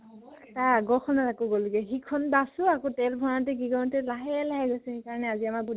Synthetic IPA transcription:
ɔɛtaɡɔkʰɔnatakɔɡɔluɡɛxikʰːɔnbasʊakotɛlbʱɔnatɛkiɡɔnɔtɛlaɦɛlaɦɛɡojsʊ̃ekaɹɔnɛaziamabud

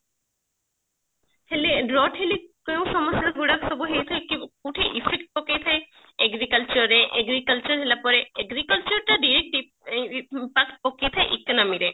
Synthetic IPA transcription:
heleɖɾɔʈʰɦelikew̃sɔmɔsaɡuɽaksɔbuɦejt̪ʰaekikuʈʰeʔipʰek̚ʈ̚pɔkejt̪ʰae | eɡɾikɐlt͡ʃɔɾeʔeɡɾikɐlt͡ʃɔɾɦelapɔɾeeɡɾikɐlt͡ʃɔɾʈaɖiɾek̚ʈi | pakʈ̚pɔket̪ʰaeʔikːnamiɾe

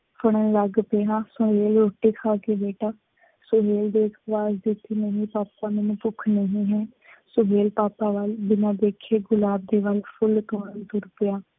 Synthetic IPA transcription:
pʰəɽ̃ənləɡpejaːsʊɦeːlɾoːʈːeːkʰaːkeːbeːʈaː | sʊɦeːld̪eːkʰʋaːzd̪ɪt̪ːiːnəɦĩːpaːpãːmẽnũːpʊkʰnəɦĩːɦɛː | sʊɦeːlpaːpaːʋəld͡ʒɪnãːd̪eːkʰeːɡʊlaːb̚d̪eːʋəlpʰʊlt̪ɔːɾənt̪ʊɾpɪjaː

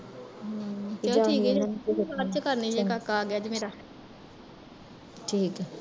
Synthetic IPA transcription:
t̪eoʈʰiːkkɛkaɾt͡ʃəkəɾniːd͡ʒeːkaːkːaːɡɪjaːd͡ʒmeːɾa | ʈʰiːkː

